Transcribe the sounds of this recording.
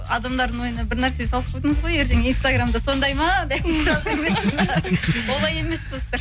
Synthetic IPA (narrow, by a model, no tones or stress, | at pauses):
ɑd̪ɑmd̪ɑɾd̪əɴwo̞jənɑbɪɾnæɾse̞sɑlˠəp̚qʰojd̪əɴəzʁo̞je̞ɾt̪eŋijnst̪aɡramd̪ɑso̞nd̪ɑjmɑd̪æjɾɑɑɾme | wo̞lˠɑje̞me̞sd̪o̞st̪ɑɾ